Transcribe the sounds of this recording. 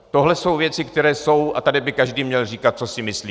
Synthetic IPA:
t̪o̞ɦlɛso̞wvjɛt͡sɪkt̪ɛɾɛːso̞wat̪adɪbɪkaʒdiːmɲɛlriːkat̪̚t͡so̞sɪmɪsliː

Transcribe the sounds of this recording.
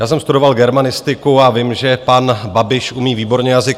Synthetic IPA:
jaːsɛmst̪udo̞valɡɛɾmanɪst̪ɪkuavɪmʒɛpanbabɪʃʔumiːviːbo̞ɾɲɛjazɪk

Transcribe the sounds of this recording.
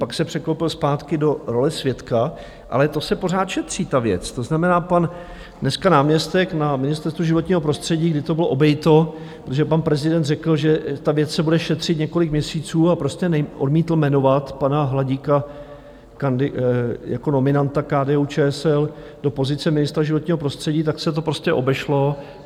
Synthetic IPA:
paksɛpr̝̥ɛklowpɪlspaːt̪kɪdo̞ɾo̞lɛsvjɛt̪ka | ʔa̰lɛt̪o̞sɛpo̞r̝aːt̪ʃɛt̪r̝̥iːt̪avjɛ̰t͡st̪o̞znamɛnaːpan | dnɛskanaːmɲɛst̪ɛknamɪnɪst̪ɛɾst̪vuʒɪvot̪ɲiːɦo̞pɾo̞st̪r̝̥ɛɟiːɡdɪt̪obɪloʔo̞bɛjt̪o | pɾot̪oʒɛpanpɾɛzɪdɛnt̪rɛkl̩ʒɛt̪avjɛt͡ssɛbudɛʃɛt̪r̝̥ɪt̪ɲɛko̞lɪkmɲɛsiːt͡suːapɾo̞stcɛnʔodmiːt̪l̩mɛno̞vat̪panaɦlaɟiːka | kandɪjako̞no̞mɪnant̪akaːdɛːuːt͡ʃɛːɛsɛl | do̞po̞zɪt͡sɛmɪnɪst̪ɾaʒɪvo̞t̪ɲiːɦo̞pɾo̞st̪r̥ɛɟiːt̪aksɛt̪o̞pɾo̞scʲɛʔo̞bɛʃlo̞

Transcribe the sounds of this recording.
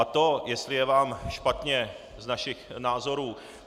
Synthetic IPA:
at̪o̞jɛst̪lɪjɛvaːmʃpat̪ɲɛ | znaʃɪxnaːzo̞ɾuː

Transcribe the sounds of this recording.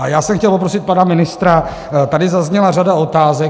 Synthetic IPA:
ʔajaːsɛmxcɛlpo̞pɾo̞sɪt̪̚panamɪnɪst̪ɾa | t̪adɪzazɲɛlaradao̞t̪aːzɛ

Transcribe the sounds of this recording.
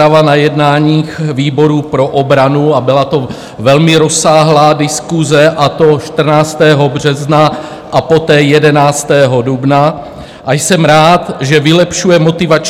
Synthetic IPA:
avanajɛdnaːɲiːxviːbo̞ɾupɾo̞ʔobɾanuabɪlat̪o̞ | vɛlmɪɾo̞saːɦlaːdɪskuzɛʔat̪o̞ʃt̪r̩naːt͡st̪ɛːɦo̞br̝ɛzna | ʔapo̞t̪ɛːjɛdɛnaːt͡st̪ɛːɦo̞dubna | ʔajsɛmɾaːt̪ʒɛvɪlɛpʃujɛmo̞t̪ɪvat͡ʃ

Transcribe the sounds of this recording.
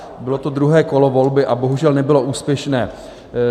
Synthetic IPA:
bɪlo̞t̪o̞d̪ɾuɦɛːko̞lo̞vo̞lbɪʔaboɦuʒɛlnɛbɪlo̞ʔuːspjɛʃnɛː

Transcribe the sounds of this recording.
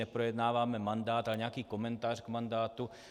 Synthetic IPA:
ɛpɾojɛd̪naːvaːmɛmand̪aːt̪alɛɲɛakiːkomɛnt̪aːrɡmand̪aːt̪u

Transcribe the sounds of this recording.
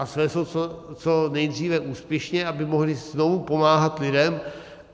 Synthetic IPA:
ʔasvɛːsot͡sot͡sonɛjd̪riːvɛʔuːspjɛʃɲɛʔabɪmo̞ɦlɪznovupo̞maːɦat̪lɪdɛm

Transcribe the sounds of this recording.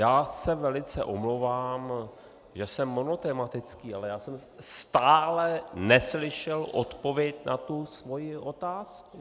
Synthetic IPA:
jaːsɛvɛlɪt͡sɛ̰ʔomlowvaːm | ʒɛsɛmːo̞no̞t̪ɛmat̪ɪt͡skiːalɛjaːsɛmst̪aːlɛnɛslɪʃɛlʔot̪po̞vjɛcnat̪usvo̞jɪʔo̞t̪aːsku

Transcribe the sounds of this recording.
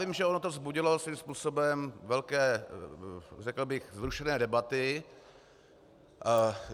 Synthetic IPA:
imʒɛʔo̞not̪ovzbuɟɪlosviːmspuːsobɛmvɛlkɛː | rɛkl̩bɪxzɾuʃɛnɛːdɛbat̪ɪ

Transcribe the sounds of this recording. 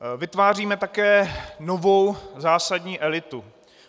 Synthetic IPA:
vɪt̪vaːriːmɛt̪akɛːnovo̞wzaːsadɲiːʔɛlɪt̪u

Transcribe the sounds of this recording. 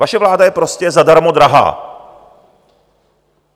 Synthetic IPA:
aʃɛvlaːdajɛpɾo̞scɛzadaɾmodɾaɦa̰ː

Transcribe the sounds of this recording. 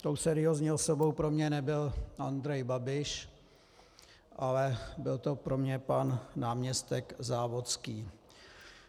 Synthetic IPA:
t̪owsɛɾɪozɲiosobo̞wpɾo̞mɲɛnɛbɪlʔand̪ɾɛjbabɪʃ | ʔalɛbɪlt̪o̞pɾo̞mɲɛpanːaːmɲɛst̪ɛkzaːvo̞skiː

